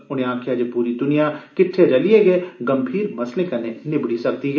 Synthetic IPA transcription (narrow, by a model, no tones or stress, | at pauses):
ʊnɦẽãːkʰjad͡ʒepuːɾid̪ʊnijakɪʈʰːeɾɐlijeɡeɡɐmbʱiːɾmɐsnekɐnenɪbɽisɐk̚t̪iɡ